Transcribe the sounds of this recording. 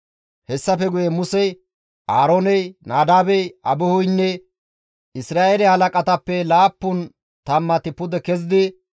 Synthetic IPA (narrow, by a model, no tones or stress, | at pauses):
hɛsːɐfɛɡʊjɛmʊsɛj | ʔaːɾoːnɛjnaːd̪aːbɛjʔɐbɔhʊjnːɛ | ɪsɾaːʔɛlɛhɐlɐkʼɐt̪ɐpːɛlaːpːʊn | t̪ɐmːɐt̪ɪpʊd̪ɛkɛzɪd̪ɪ